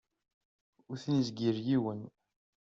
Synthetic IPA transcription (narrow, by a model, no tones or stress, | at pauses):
ʊɾθnizɡiɾjiwən